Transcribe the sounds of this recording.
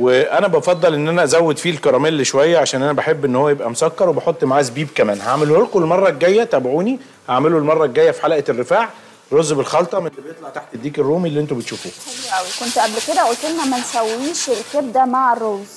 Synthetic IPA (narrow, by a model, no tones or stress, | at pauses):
weʔænæbɑfɑd̪ˤːɑlʔenːʔænæʔæzæwːed̪fiːlkɑɾˤɑːmelːʃowæjːæʕaʃæːnʔænæbeħebːʔenːhowːæjebʔæmosækːɑɾˤwebɑħot̪ˤːmaʕazbiːbkæmæːnhaʕmelholqulmɑrˤːɑɡeɡæjːæt̪æːbʕuːni | haʕmelulmɑrˤːɑɡeɡæjːæfi̥ħalʔerːefaːʕ | ɾˤozːbelxɑlt̪ˤɑmelːibejet̪ˤlɑʕt̪aħt̪ed̪ːiːkerːuːmilːiʔent̪ubet̪ʃuːfṵːliʔæwikont̪ʔæblked̪æʔult̪elnæmːænsæwːiːʃelkeb̚d̪æmaʕerˤːoz